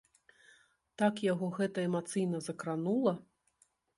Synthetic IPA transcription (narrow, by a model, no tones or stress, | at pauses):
t̪akjaɣɔɣɛt̪ɐɛmat̪sɨjnɐzɐkɾanulˠɐ